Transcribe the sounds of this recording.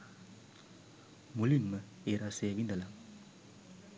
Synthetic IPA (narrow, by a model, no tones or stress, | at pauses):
mulinmə | eɾaseʋind̪əlaŋ